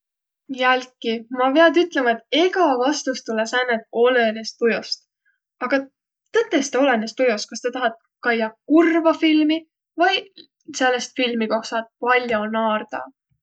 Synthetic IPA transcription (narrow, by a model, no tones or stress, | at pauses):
jælkimɑpeɑd̪yt̪ˑle̞mɑe̞t̪ːˑeɡɑvɑst̪ust̪ulːesænːet̪̚o̞lenest̪̚pujost̪ | ɑɡ̥ɑ | t̪ɤt̪ːˑe̞st̪eo̞lenest̪ujost̪̚kɑst̪ɑt̪ɑɦɑt̪̚ | kɑjːɑkurvɑfilmi | vɤj | se̞lːest̪filmiko̞ksɑt̪̚pɑlʲjonɑːrd̪̥ɑ̰